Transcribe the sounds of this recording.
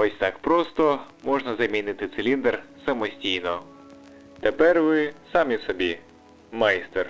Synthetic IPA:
ɔsʲt̪ɑkpɾɔst̪ɔ | mɔʒnɐzɐmʲinɪt̪ɪt̪selʲind̪ersɐmɔsʲtʲijnɔ | t̪epɛrʋɪsɑmʲisɔbʲi | mɑjst̪er

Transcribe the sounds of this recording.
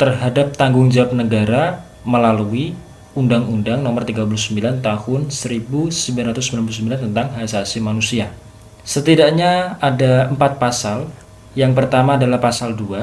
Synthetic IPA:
t̪ərɦadap̚t̪aŋɡʊŋd͡ʒawap̚nəɡaɾa | məlalui | undaŋundaŋnɔmərt̪iɡap̬ulusəmbilant̪ahʊnsəɾibusəmbilanɾat̪ʊsːəmbilanpulusəmbilant̪ənt̪aŋɦasasimanusia | sət̪idaʔɲaadaəmpat̪̚pasal | jaŋpərt̪amaːdalahpasaldua

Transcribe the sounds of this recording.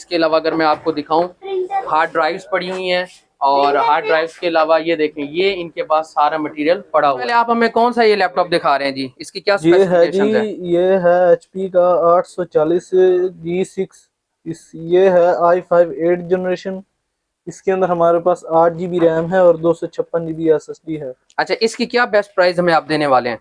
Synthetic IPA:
ɪskeɐlaːʋaɐɡəɾmɛ̃aːp̚kod̪ɪkʰaːũhaːɖɾaːɪʋzpɐɽiɦuĩɦɛ̃ː | ɔːɾɦaːɾɖɾaːɪʋzkeɐlaːʋajed̪eːkʰẽjeɪnkepaːdsaːɾamɐʈiːɾijəlpɐɽaɦopɛɦleaːpɦɐmẽkɔːnsaːielɛːp̚ʈɔːp̚d̪ɪkʰaːɾeɦɛ̃d͡ʒiːɪskikjaːsʊjeɦɛeːd͡ʒʃiə̃ɛ̃jeːɦɛɛːt͡ʃpikaaːʈʰsɔt͡ʃaːliːsd͡ʒiːsɪks | ɪsjeːɦɛaːipʰaːɪʋeːʈd͡ʒɛnəɾeːʃən | ɪskeə̃nd̪əɾɦɐmaːɾepaːsaːʈ̚ʰd͡ʒibʱiɾɛːmɦɛɔːɾd̪oːsɔt͡ʃʰɐpːənd͡ʒiːbʱiɛsɛsɖiɦɛː | ɐtːʃʰaːʔɪskikjaːbɛsʈ̚pɾaːɪzɦɐmẽaːp̚d̪eːneʋaːleɦɛ̰̃ː

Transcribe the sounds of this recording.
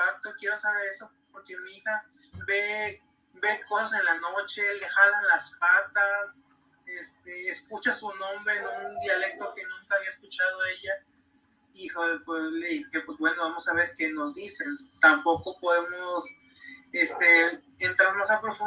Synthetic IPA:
at̪okje̞ɾo̞saβe̞ɾe̞so̞ | poɾkemeixa | βe̞ | be̞ko̞sas̬enlanot͡ʃe̞le̞xalanlaspat̪as | est̪eːskut͡ʃasunõ̞mbɾe̞nond̪jale̞k̚t̪o̞ke̞nũŋkaːβiaeskut͡ʃað̞o̞e̞ʝa | ixopwesleðikepwezβwe̞no̞βamo̞saβ̞e̞ɾke̞no̞zd̪ise̞nt̪ampo̞ko̞po̞ðemos | est̪e̞ːnt̪ɾaɾmasapɾo̞fu

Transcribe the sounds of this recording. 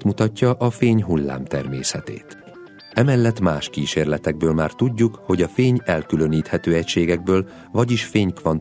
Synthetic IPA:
t̪mut̪ɒcːɒʔɒfeːɲɦulːa̰ːmt̪ɛ̰rmeːsɛt̪ḛːt̪ | ɛmɛlːɛt̪ːmaːʃkiːʃeːrlɛt̪ɛɡ̚bøːlmaːrt̪uɟːukho̞ɟɒfeːɲɛlkylø̞niːt̪hɛt̪øːɛcʃeːɡɛɡ̚bøːl | vɒɟiʃfeːɲkʋɒn

